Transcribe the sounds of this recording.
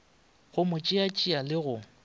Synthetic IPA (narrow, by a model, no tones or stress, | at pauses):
ɣʊmʊt͡ʃʼɪat͡ʃʼialɪɣʊ